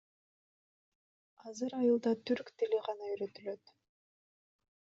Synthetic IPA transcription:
ɑzɯɾɑjɯlˠd̪ɑt̪ʰyɾkt̪iliʁɑnɑyjɾø̞t̪ylø̞t̪

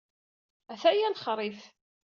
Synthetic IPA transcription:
æθæjænχɾˤiθ

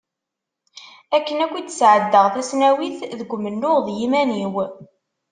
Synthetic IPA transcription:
ækːənækʷit͡sːə̥sʕəd̪ːəʁθæsnæwiθðəɡʷːmənːʊʁðjimæniw

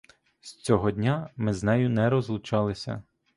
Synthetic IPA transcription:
st͡sʲɔɦɔdʲnʲamɪznɛjʊnɛɾɔzlˠʊt͡ʃɑlˠɪsʲɐ̰

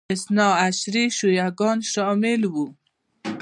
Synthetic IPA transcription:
ɪsnɑaʃɾiʃujaɡɑnʃɔmɪlwu

